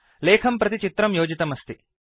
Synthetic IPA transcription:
leːkʰɐmpɾɐt̪it͡ʃit̪ɾɐmjoːd͡ʒit̪ɐmɐst̪i

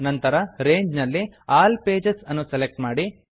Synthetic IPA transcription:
nɐnt̪ɐɾɐɾeːɲd͡ʒnɐlːiaːlpeːd͡ʒesɐnːuselek̚ʈmaːɽi

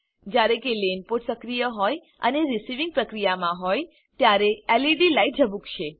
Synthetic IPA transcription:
d͡ʒjaɾekelenpoʈsəkɾijəɦɔj | ə̰neɾisiʋĩŋɡ̚pɾəkɾijamãɦoj | t̪jaɾeɛliɖilaiʈ̚d͡ʒəbũkʃe

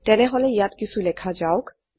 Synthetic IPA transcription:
tɛnɛɦolɛijatkisʰulɛkʰad͡ʒaʊk

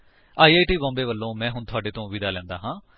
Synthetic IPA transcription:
aːiːaːiʈiːbɔ̃ːmbeːʋəlːõːmɛ̃ːɦʊɳt̪ʰʊaːɖeːt̪õːʋid̪aːlɛ̃ːnd̪a̰ːɦãː

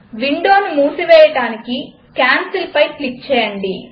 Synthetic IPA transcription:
ʋiɳɖo̞ːnumuːsiʋɛːjɐɽaːniki | kaːnsilpɐjklik̚t͡ʃɛːjɐɳɖi

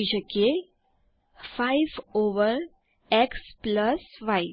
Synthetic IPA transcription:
id͡ʑəke | faiʋoʋəɾ | ekspləsʋaj

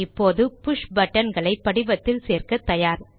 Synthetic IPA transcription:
ɪpːoːðɯpʊʂbɐʈːɐnɡɐɭɐɪpːɐɽɪbɐt̪ːɪlseːrkɐt̪ːɐjaːɾ

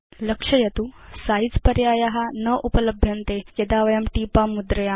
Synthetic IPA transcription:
ləkʂəjɐt̪usaid͡zpəɾjajaɦanəʔupələbʱjənt̪ejɐd̪aʋɐjamʈipamud̪ɾəja

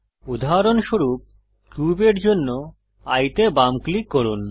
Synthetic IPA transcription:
ud̪ʱaɾonʃoɾup̚ | kjubeɾd͡ʑonːo | ajt̪ebamklikːoɾun

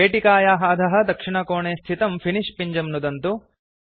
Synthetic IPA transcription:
eːʈikaːjaːɦaːd̪ʱɐɦɐ̆d̪ɐkʂiɳɐkoːɳeːst̪ʰit̪ɐmpʰiniʂpiɲd͡ʒɐmnud̪ɐnt̪u

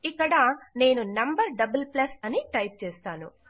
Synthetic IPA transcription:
ikːɐɽɐne̞ːnunɐmbɐɾɖɐbɐlplɐsɐniʈɐjp̚t͡ʃeːst̪aːnṵ

